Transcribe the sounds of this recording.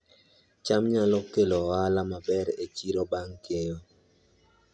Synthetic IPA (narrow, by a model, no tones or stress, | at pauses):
t͡ʃamɲalɔkːeloalamabɛɾet͡ʃiɾobaŋkejo